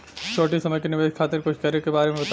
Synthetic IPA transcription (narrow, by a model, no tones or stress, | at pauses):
t͡ʃʰoːʈisɐməjkenɪʋeːʃkʰaːt̪ɪɾkʊt͡ʃʰkɐɾekebaːɾemẽbɐt̪